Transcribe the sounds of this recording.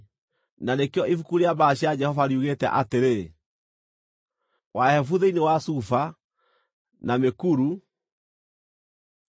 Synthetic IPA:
nanekjɔʔifukuɾeabaɕad͡ʒɛhɔvaɾiuɣetɛ̰ʔateɾe | wahɛfuðeinewasufa | namekuɾu

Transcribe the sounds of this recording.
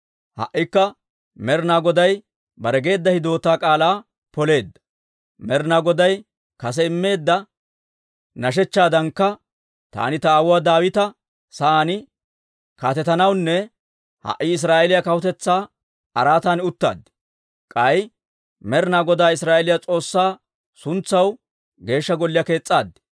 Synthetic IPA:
hɐ̰ʔːɪkːɐ | mɛɾnaːɡɔd̪ɐj | bɐɾɛɡe̞ːd̪ːɐhɪd̪o̞ːt̪aːkʼaːlaː | pɔle̞ːd̪ːɐ̥ | mɛɾnaːɡɔd̪ɐj | kɐs̬ɛɪmːe̞ːd̪ːɐ | nɐʃ̬ɛt͡ʃːaːd̪ɐŋkːɐ | t̪a̰ːnɪt̪ɐaːwʊwaːd̪aːwɪt̪ɐ | sɐaːnɪ | kaːt̪ɛt̪ɐnɐwnːɛ | hɐ̰ʔɪɪs̬ɾaːʔɛlɪjakɐwʊt̪ɛt͡sːaː | ɐɾaːt̪aːnʊt̪ːa̰ːd̪ːɪ̥ | kʼɐj | mɛɾnaːɡɔd̪aːɪsɾaːʔelɪjɐt͡sʼo̞ːsːaː | sʊnt͡sːɐw | ɡe̞ːʃːɐɡɔlːɪjɐke̞ːt͡sʼːaːd̪ːɪ̥

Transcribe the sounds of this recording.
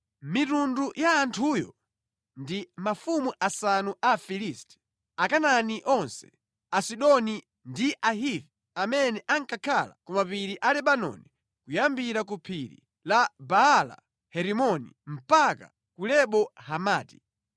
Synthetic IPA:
mitundujaːntʰujɔ̰ | ndimafumuʔasanuʔafilistʰɛ̥ | akananiʔɔnsɛ̥ | asiɗɔni | ndiʔaɦivi | amɛnɛʔaŋkakʰala̰kɔmapiɾiʔalɛɓanɔ̰ni | kujambiɾakupʰiɾḭ | labaala̰ | hɛɾimɔnim̩paka̰ | kulɛɓɔhamaːti̥

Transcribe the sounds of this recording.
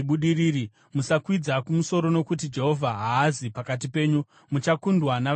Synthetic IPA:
ɓuɗiɾiːɾi | musakwid͡zakumuso̞ɾo̞no̞kut̬id͡ʒe̞ɦo̞vʱaɦaːzipakat̬ipe̞ːɲu | mut͡ʃakundwana

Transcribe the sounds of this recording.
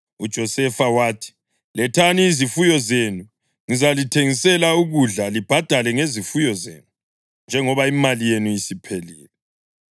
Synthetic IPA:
ud̥ʒ̥ʱɔsɛfawaːtʰi̥ | lɛtʰaniːzifujɔzenu | ŋizalitʰeŋisɛlauɣuɮalib̥ʱad̥ʱalɛŋezifujɔzḛːnu | nd͡ʒʱɛŋɔβaimalijenujisipʰelḭːlɛ

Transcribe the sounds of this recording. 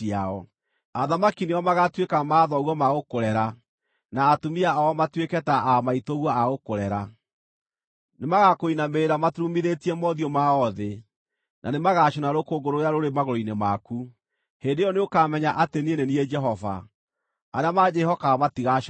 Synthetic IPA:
iaɔ | aðamakiniɔmaɣatwekamaːðɔɣwɔmaɣokoɾɛɾa | naːtumiaaɔmatwekɛtaʔamaitoɣwɔaɣokoɾɛɾa | nemaɣakoinameeɾamatɾumiðetiɛmɔðiɔmaɔðe | nʔa̰nemaɣaɕonaɾokoɡoɾojaɾoɾemaɣoɾoinemaku | hendejɔneokamɛɲaʔatenieneniɛd͡ʒɛɦɔva̰ | aɾeamad͡ʒɛɦɔkaɔmatiɣaʃ

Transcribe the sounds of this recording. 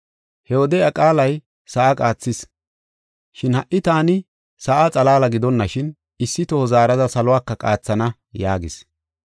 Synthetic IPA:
hɛwɔd̪ɛjɐkʼaːlɐj | sɐʔɐkʼaːt͡sːɪs | ʃɪnhɐʔʔɪt̪aːnɪ | sɐʔɐt͡sʼɐlaːlɐɡɪd̪ɔnːɐʃɪn | ɪsːɪt̪ohɔzaːɾɐd̪ɐsɐlʊwaːkːɐkʼaːt͡sːɐnɐ | jaːɡɪs

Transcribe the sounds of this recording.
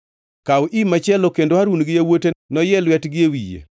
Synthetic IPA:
kawʔimat͡ʃɛlokendoaɾunɡɪjawotenɔjɛlwɛtɡɪewijḛ

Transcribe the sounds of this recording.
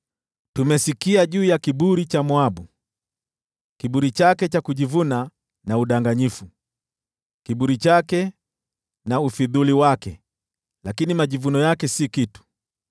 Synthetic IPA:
tumɛsikiaʄuːjakiɓuɾit͡ʃamwaɓu | kiɓuɾit͡ʃakɛt͡ʃakuʄivuna | nauɗaŋɡaɲifu | kiɓuɾit͡ʃakɛ | naufiðuliwakɛ | lakinimaʄivunɔjakɛsikitu̥

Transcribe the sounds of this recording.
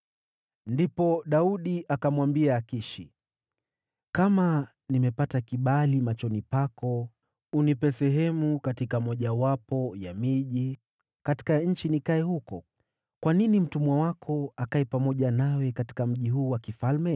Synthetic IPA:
ndipɔɗauɗiʔakamwambiaːkiʃi | kama | nimɛpatakiɓalimat͡ʃɔnipakɔ | unipɛsɛɦɛmukatikamɔʄawapɔjamiʄi | kati̥kaɲ̩t͡ʃinikaɛhukɔ | kwaninim̩tumwawakʰɔakaɛpamɔʄanawɛkati̥kam̩ʄiɦuːwakifalmɛ

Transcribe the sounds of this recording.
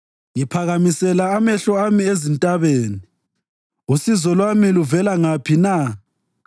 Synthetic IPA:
jipʰaɣamisɛlaːmɛɬɔamiezintʼaβeːni | usizɔlwamiluvɛlaŋapʰina

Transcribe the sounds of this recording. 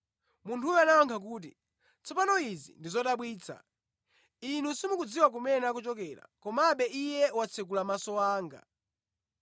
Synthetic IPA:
muntʰujɔanaɔŋkʰak̬uːt̬i | t͡sʰɔpanɔizḭndizɔtaɓwiːt͡sʰa̰ | inusimukud͡ziwak̬umɛnak̬ut͡ʃɔkɛla̰kɔmaɓɛʔijɛwat͡sʰɛk̬ulamasɔwaːŋɡa̰

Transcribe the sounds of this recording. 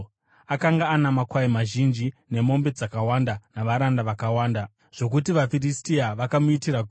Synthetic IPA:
akaŋɡaːnamakwaimaʒind͡ʒine̞mo̞mbe̞d͡zakawandanaʋaɾandaʋakawaːnda | ʐ̥o̞k̬utiʋafiristiaʋakamuitiraɡ

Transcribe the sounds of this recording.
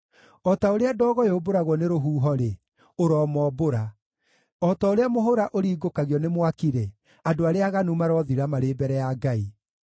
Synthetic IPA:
ɔtaoɾeadɔːɣɔjoboɾaɣwɔneɾoɦuːɦɔɾe | oɾɔːmɔːboɾa | ɔtaoɾeamoɦoɾaʔoɾiːɡokaɣjɔnemwakiɾɛ | adoaɾeaɣanumaɾɔðiɾamaɾeːbɛɾɛjaɡai

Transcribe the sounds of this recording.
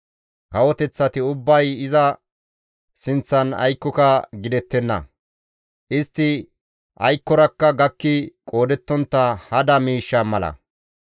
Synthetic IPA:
kɐwɔt̪ɛt͡sːɐt̪ɪʊbːɐjɪzɐ | sɪnt͡sːɐnɐ̰jkːɔkɐɡɪd̪ɛt̪ːɛnːɐ̰ | ʔɪst̪ːɪ | ʔɐ̰jkːɔɾɐkːɐɡɐkːɪkʼo̞ːd̪ɛt̪ːɔnt̪ːɐhɐd̪ɐmiːʃːɐmɐlɐ̰

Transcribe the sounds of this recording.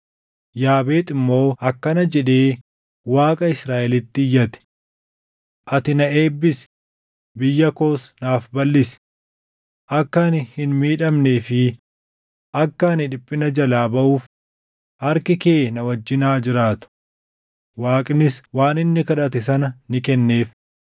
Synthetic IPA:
jaːbe̞ːt̪ʼɪmːo̞ːʔɐkːɐnɐd͡ʒɛᶑeː | waːkʼɐɪsɾaːʔɛlɪt̪ːɪjːɐt̪ɛ̥ | ʔɐt̪ɪnɐe̞ːbːɪsɛ̥ | bɪjːɐko̞ːsnaːfbɐlːɪsɛ̥ | ʔɐkːɐnɪhɪnmiːᶑɐmneːfɪ | ʔɐkːɐːnɪᶑɪpʼːɪnɐd͡ʒɐlaːbɐʔuːf | hɐɾkɪke̞ːnɐwɐd͡ʒːɪnaːd͡ʒɪɾaːt̪ʊ̥ | waːkʼnɪswaːnɪnːɪkɐᶑɐt̪ɛsɐnɐnɪkɛnːe̞ːf

